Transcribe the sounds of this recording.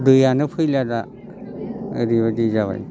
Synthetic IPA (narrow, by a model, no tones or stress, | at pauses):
dɯjanɯpʰɯjlada | ɾibadid͡ʒaβa̰j